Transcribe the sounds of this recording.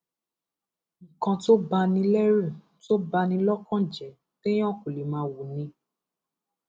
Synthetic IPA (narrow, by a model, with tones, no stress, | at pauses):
kã˧to˦ba˧nĩ˧lɛ˦ɾu˦˨ | to˦ba˧nĩ˧lɔ˦kã˦d͡ʒɛ˨ | tẽ˦ɔ̃˦˨ko˨li˨mãː˨˦wu˨nĩ˧